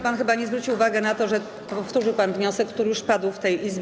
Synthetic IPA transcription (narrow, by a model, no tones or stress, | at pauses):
panxɘbaɲɛzvɾut͡ɕiwːvaɡɛnat̪ɔʐɛ | pɔft̪uʐɘwpanvɲɔsɛkːt̪uɾɘjuʂpad̪wft̪ɛjʔizbʲ